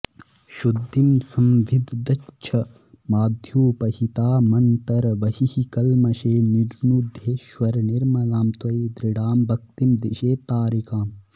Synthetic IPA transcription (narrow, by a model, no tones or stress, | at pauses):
ʃud̪ːimsɐmʋid̪ʱd̪ɐt͡ʃʰɐ | maːd̪ʱjuːpɐɦit̪aːmɐnt̪ɐɾʋɐhihikɐlmɐʃeːniɾnuːd̪ʱjeːʃʋɐɾniɾmɐlaːmt̪ʋɐid̪ɾɪɽaːmbʱɐk̚t̪imd̪iʃeːt̪aːɾikaːm